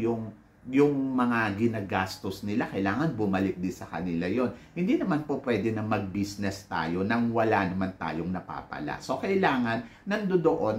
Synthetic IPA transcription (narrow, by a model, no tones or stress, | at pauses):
jʊŋ | jʊŋmɐŋaɡɪnaɡast̪osnɪlakɐjlaːŋɐnbʊmɐlɪk̚d̪ɪsɐkɐnɪlajo̞nhɪnd̪inɐmanpopwɛd̪ɛnɐmɐɡ̚bisnɛst̪a̰ːjo̞nɐŋwɐlanɐmant̪a̰ːjoŋnɐpa̰ːpɐ̰la̰ʔso̞kɐɪlaːŋɐnːɐnd̪od̪oʔon